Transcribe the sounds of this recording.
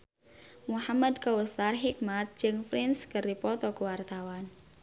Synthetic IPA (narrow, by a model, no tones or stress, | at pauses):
muhamad̪kawuθarɦik̚mat̪̚d͡ʒɨŋfɾinskəripɔt̪ɔkəwart̪awan